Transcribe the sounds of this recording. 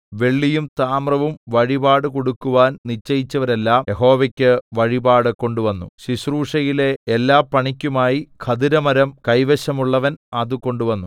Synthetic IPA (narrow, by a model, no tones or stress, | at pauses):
ʋe̞ɭːijumt̪aːmrɐʋumʋɐɻibaːɽɨko̞ɽukːuʋaːnnit͡ɕːɐjit͡ɕːɐʋɐɾe̞lːaːmjeɦo̞ːʋɐkʲːɨʋɐɻibaːɽɨko̞ɳɖuʋɐnːuɕiɕruːʂɐjile̞elːaːpːɐɳikʲːumaːjikʰɐd̪iɾɐmɐɾɐmkɐjʋeɕɐmuɭːɐʋɐnɐðɨko̞ɳɖuʋɐnːu